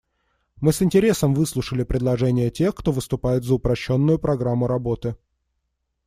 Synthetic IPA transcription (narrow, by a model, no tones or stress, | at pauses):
mɨsɪnʲtʲɪɾʲe̞səmvɨslˠʊʂəlʲɪpɾʲɪdlˠɐʐɛnʲɪjətʲe̞xkt̪o̞vɨst̪ʊpajɪt̪zəʊpɾɐɕːo̞nːʊjʊpɾɐɡɾamːʊɾɐbo̞t̪ɨ